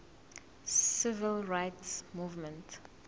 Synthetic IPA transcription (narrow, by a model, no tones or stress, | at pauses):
sɪvəlɹaɪtsmuːvmə̃nt